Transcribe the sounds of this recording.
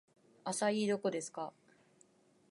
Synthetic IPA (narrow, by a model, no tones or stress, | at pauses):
asaiːd̪o̞ko̞d̪e̞sɨ̥ka